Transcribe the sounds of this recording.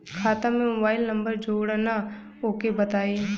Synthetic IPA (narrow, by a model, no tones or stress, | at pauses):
kʰaːt̪ãmẽmobaːɪlnɐ̃mbəɾd͡ʒoːɽana | oːkebɐt̪aːiː